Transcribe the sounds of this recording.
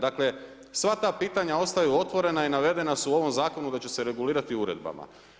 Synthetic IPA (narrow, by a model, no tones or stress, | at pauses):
d̪akle̞ | sʋat̪aːpiːt̪aɲao̞st̪ajuo̞t̪ʋo̞ɾe̞nainaʋe̞d̪e̞nasuo̞ʋo̞mzaːko̞nud̪at͡ɕe̞se̞ɾe̞ɡuliːɾat̪iuɾe̞d̪ba̰ma̰